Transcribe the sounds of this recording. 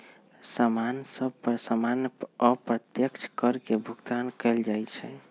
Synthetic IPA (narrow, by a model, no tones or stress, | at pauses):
samansəbpəɾsamanəpɾət̪jəkt͡ʃʰkəɾkebʱuɡt̪ankɛld͡ʒajt͡ʃʰɛ